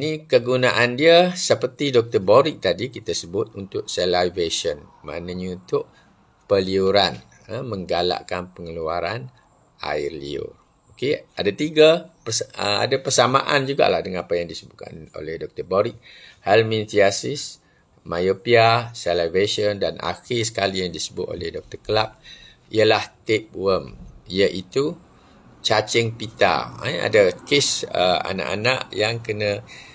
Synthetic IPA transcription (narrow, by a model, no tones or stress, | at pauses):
inikəɡunaʔandiasəpərt̪idɔk̚t̪ərboɾɪk̚t̪adikit̪asəbʊt̪̚unt̪ʊk̚sɛlavesɔnma̰naɲaunt̪ʊʔ̚ | pəliuɾan | əmə̃ŋɡala̰ʔkanpəŋəluaɾan | ʔa̰ɪrlḭʊ̰r | okea̰dat̪iɡapəsəa̰dapərsama̰ʔand͡ʒuɡa̰ʔlahdəŋanapajaŋdisəbuʔ̚ka̰no̰lɛhdɔk̚t̪ərbɔɾit̪̚hɛlmĩnt̪iasis | majopiasɛlabesɔndanʔa̰xisə̥kalijaŋdisəbʊt̪̚o̰lɛhdɔk̚t̪ərkəlak̚ | iəlaht̪ep̚wəmiəʔit̪u | t͡ʃat͡ʃəŋpit̪a̰ãa̰dakesəa̰na̰ʔa̰naʔjaŋkənə̃